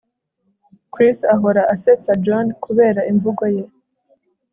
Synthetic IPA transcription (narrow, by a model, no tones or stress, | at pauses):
kɾisaɦo̞ɾaʔaset͡sad͡ʒonkʰuβe̞ːɾaʔiɱvuɡo̞je̞